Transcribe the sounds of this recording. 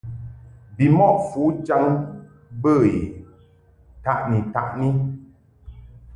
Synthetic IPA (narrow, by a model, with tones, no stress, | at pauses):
bi˨mɔ˦ʔfu˨˦d͡ʒa˦ŋ | bə˦˨i˨ | ta˦ʔni˨ta̰˨ʔni˦